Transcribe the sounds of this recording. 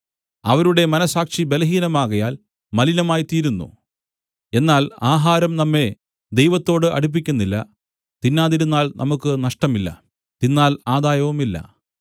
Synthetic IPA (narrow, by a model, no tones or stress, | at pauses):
ɐʋɐɾuɽe̞mɐnɐsaːkʂibe̞lɐɦiːnɐmaːɣɐjaːl | mɐlinɐmaːjt̪iːɾunːṵ | e̞nːaːlaːɦaːɾɐmnɐmːe̞ | d̪e̞jʋɐt̪ːo̞ːɽɨʔɐ̰ɽup̬ːikʲːunːilːɐ̰ | t̪inːaːðiɾunːaːlnʔɐ̰mukːɨnɐʂʈɐmilːɐ̰ | t̪inːaːlaːd̪aːjɐʋumilːɐ̰